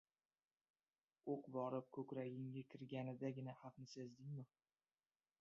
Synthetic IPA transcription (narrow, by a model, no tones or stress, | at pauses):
oqbɒɾɪp̚kʰɵkʲɾaɡʲɪŋɡʲakʲʰɪɾɡʲanɪd̪aɡʲɪnahaqnɪsezd̪ɪŋmɪ